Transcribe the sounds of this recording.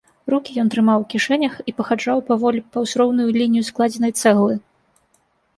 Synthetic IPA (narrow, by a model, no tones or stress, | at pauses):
ɾukʲijɔnt̪ɾɨmawkʲiʂɛnʲɐxipɐxad͡ʐawpɐvɔlʲpɐwsɾɔwnujulʲinʲijusklˠad͡zʲɛnɐjt̪sɛɣlˠɨ